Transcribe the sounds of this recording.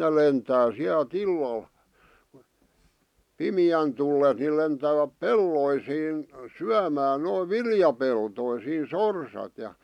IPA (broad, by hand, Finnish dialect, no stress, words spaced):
ne lentæː siælt ilːɑl pimĭjæn tulːen ni lentæːʋæp pelːoisiːn syæmæːn noiʋ ʋiljɑpeltoisiːn sorsɑt jɑ